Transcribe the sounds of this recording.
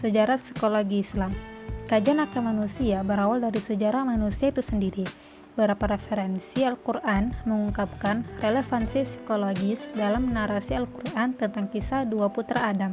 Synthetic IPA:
səd͡ʒaɾasi̥koloɡiːslamkad͡ʒanakamanusiabəɾawaldaɾisəd͡ʒaɾamanusiait̪usəndiɾi | bəɾapaɾefɛɾɛnsialkurʔanməŋuŋkap̚kanrelefansisi̥koloɡisdalamnaɾasialkurʔant̪ənt̪aŋkisaduaput̪ɾaːdam

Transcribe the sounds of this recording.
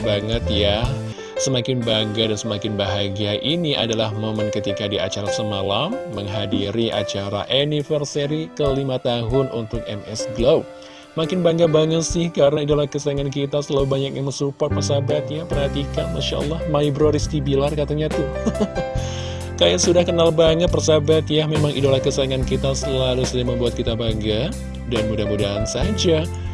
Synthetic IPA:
baŋət̪ja | səmakɪnbaŋɡadansəmakɪnbaɦaɡiaʔiniʔa̰dalahmomənkət̪ikadiʔa̰t͡ʃaɾasəmalamːəŋɦadiɾiʔa̰t͡ʃaɾa̰ʔenifərseɾikəlimat̪aɦʊnʔunt̪ʊk̚ɛmɛsɡlop̚ | makɪnbaŋɡabaŋət̪sɪhkaɾənaidalahkəsaiŋankit̪asəlalubaɲak̚ɲaŋməsupɔrt̪̚pərsabat̪japərhat̪ikanmaʃa̰ʔə̰lːɑhmaibɾoɾist̪ibilarkat̪aɲat̪ʊh | kajasudahkənalbaŋət̪̚pərsabat̪jamemaŋʔḭdalahkəsaiŋankit̪asəlalusədaməmbuat̪̚kit̪abaŋɡa | danmudamudaɦansad͡ʒa

